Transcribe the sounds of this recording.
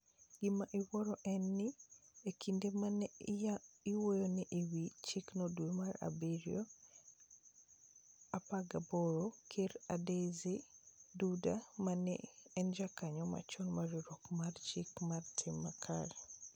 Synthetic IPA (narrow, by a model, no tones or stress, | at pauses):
ɡ̥ɪmaʔɪwɔɾɔʔɛnːɪekʰindeman | iwojoniʔiwit͡ʃiknodwemara̰biɾjɔ | apaɡaboɾokʰeɾadezidudamanɛ̰ɛnd͡ʒakaɲɔma̰t͡ʃɔnmaɾiɾɔkmart͡ʃɪkmartʰɪmːakʰa̰ɾɛ